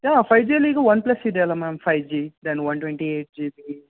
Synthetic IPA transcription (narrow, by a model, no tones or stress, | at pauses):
jaːpʰɐjd͡ʒiːliːɡɐʋɐnplɐsid̪ɛːlamaːmfʰɐjd͡ʒiːd̪ɐnʋɐnʈweɳʈieːʈ̚d͡ʒiːbiː